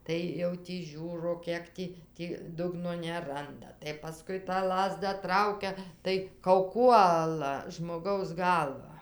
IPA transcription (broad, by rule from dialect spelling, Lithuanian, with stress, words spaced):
ˈtɐɪ jɛʊ tʲiː ˈʒʲuːroː ˈkʲiɛk tʲiː ˈtʲiː ˈdʊɡnoː nʲɛˈrɐndɐ tɐɪ pɐˈskʊɪ tɑː ˈlˠɑːzdɐ ˈtrɐʊkʲɛ tɐɪ kɐʊˈkuɔlˠɐ ʒmoːˈɡɐʊs ˈɡɐlˠʋɑː